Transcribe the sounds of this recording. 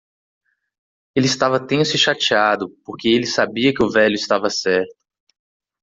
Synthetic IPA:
elɪist̪avɐt̪ẽsʊɪʃat͡ʃiad̪ʊpoɾkeelɪsabiɐkɪʊvɛʎʊist̪avɐsɛɾt̪ʊ̥

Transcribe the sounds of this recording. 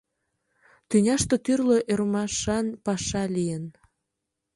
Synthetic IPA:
t̪ynʲɑʃt̪ot̪yrloʔeɾmɑʃɑnpɑʃɑlijən

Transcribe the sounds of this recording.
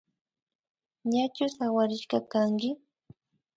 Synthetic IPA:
ɲat͡ʃʊsawaɾɪʃkɑkaŋkɪ

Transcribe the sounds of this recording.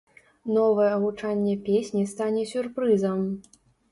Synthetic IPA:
nɔvɐjɛɐɣut͡ʂanʲːɛpʲesʲnʲist̪anʲɛsʲurpɾɨzɐm

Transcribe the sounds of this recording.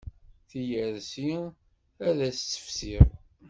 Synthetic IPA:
θijəɾsi | æðæst͡sːə̥fsiðˤ

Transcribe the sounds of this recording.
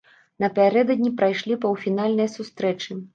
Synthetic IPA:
nɐpʲaɾɛd̪ɐd̪ʲnʲipɾajʂlʲipɐwfʲinalʲnɐjsust̪ɾɛt͡ʂɨ

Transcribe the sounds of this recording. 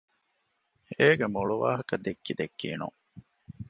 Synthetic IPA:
eːɡemuɭuʋa̰ːɦɐkɐd̪ekːid̪ekːḭːnṵŋ

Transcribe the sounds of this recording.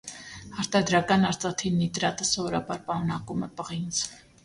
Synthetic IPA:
ɑɾt̪ʰɑd̪ɾɑkɑnɑɾt͡sʼɑt̪ʰinːit̪ɾɑt̪əsɔvɔɾɑbɑɾpɑɾunɑkumɛpəʁint͡sʰ

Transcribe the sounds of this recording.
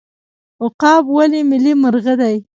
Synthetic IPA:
ʊqɑbwalimɪliməɾɣad̪aj

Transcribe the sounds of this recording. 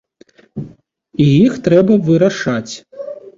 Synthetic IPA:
ijixt̪ɾɛbɐvɨɾaʂat͡sʲ

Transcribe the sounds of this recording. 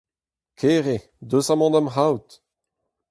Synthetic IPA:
kʰeːʁe | d̪øsamɔ̃d̪amɦawt̪

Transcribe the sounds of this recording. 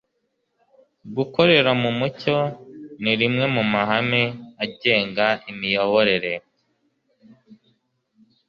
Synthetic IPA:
ɡuko̞ɾe̞ɾamumuco̞niɾimŋe̞mumaɦameaɟe̞ːŋɡaʔimijo̞βoɾe̞ɾe̞

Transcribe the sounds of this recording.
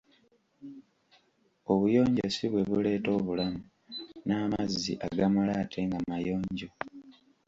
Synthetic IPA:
o̞βujo̞ːɲɟosiβwe̞βule̞ːto̞ːβulamu | naːmazːḭʔaɡamulaːtʰe̞ŋɡamajo̞ːɲɟo̞

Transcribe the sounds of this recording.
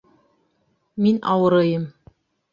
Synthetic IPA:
minʔɑ̰wɤ̆ɾɤjɤm

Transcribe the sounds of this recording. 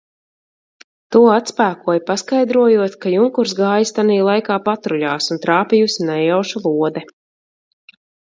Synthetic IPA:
t̪uɔat̪spæːkuɔjpaskajd̪ɾuɔjuɔt̪kajuŋkuɾsɡaːjist̪aniːlˠajkaːpat̪ɾuʎʲaːsunt̪ɾaːpijusnɛjawʃulˠuɔd̪ɛ

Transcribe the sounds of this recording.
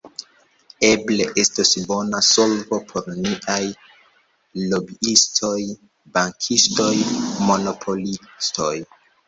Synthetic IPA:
e̞bleʔestosbo̞naso̞lvo̞pʰo̞ɾniʔaj | lo̞biistʰo̞j | baŋkʰisto̞jmo̞no̞pʰo̞listoj

